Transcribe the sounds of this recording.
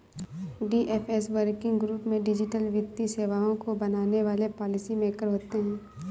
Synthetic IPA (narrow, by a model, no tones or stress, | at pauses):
ɖiːʔeːfesʋəɾkɪ̃ŋɡɡɾuːpmẽɖɪd͡ʒɪʈəlʋɪt̪ːiseːʋaːõkobɐnaːneʋaːlepɔːlɪsimẽkəɾɦoːt̪eɦɛ̃ː